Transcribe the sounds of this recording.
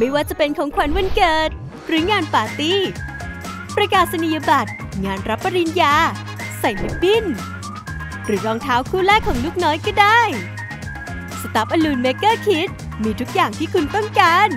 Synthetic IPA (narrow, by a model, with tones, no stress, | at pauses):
ma˥˩jwaː˥˩t͡ɕa˨˩pe˧nkʰɔː˩˦ŋkʰwa˩˦nwa˧nkɤː˨˩t̪̚ | ɾɯː˨˩˦ŋaː˧npaː˨˩t̪i˦˥ | pɾa˧kaː˨˩t̪̚sa˧ni˨˧˩ja˧ba˨˩t̪̚ | ŋaː˧nɾa˦˥pːa˧ɾi˧njaː˧ | sa˨˩jmʰu˦˥k̚bi˥˩n | ɾɯː˩˦ɾɔː˧ŋt̪ʰaː˦˥wkʰuː˥˩lɛː˥˩kʰːɔː˩˦ŋluː˥˩k̚nɔː˦˥jkɔː˥˩daː˥˩j | sa˧˩t̪a˨˦˥p̚ʔa˧luː˧nme˦˥kːɤː˥˩kʰi˦˥t̪̚ | miː˧t̪ʰu˦˥k̚jaː˨˩ŋt̪ʰiː˥˩kʰu˧np̪ɔ˥˩ŋkaː˧n